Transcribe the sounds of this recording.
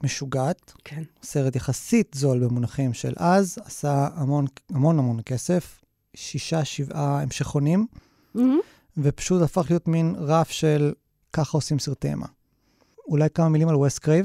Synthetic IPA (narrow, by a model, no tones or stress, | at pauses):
meʃuɡat̪kʰeseʁet̪jaχasitzo̞lbemunaχimʃḛlʔazasaamo̞namo̞namo̞nke̞se̞f | ʃiʃaʃivʔaemʃeχonim | vepḁʃutafaχlijo̞tminʁafʃe̞l | kaχao̞simsiʁtḛmʔa̰ | ulajkamamilimalwestkʁev